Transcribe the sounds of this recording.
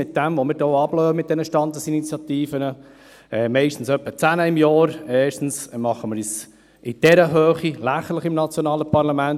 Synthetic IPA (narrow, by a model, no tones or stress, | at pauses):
ɪt̪̚d̥ɛmvomɪɾdoːɑb̥lœːəmɪt̚d̥ɛnəʃtɑnd̪əsinit͡sjɑt̪iːfənə | ɛmɛɪʃtn̩sœpːət͡sænəɪmjɑːɾeːʃtn̩smɑχːəmɪɾis | ʔɪd̥ɛɾəɦøːχilæχəɾləχɪmnɑt͡sjonɑːləpɑɾlɑmænt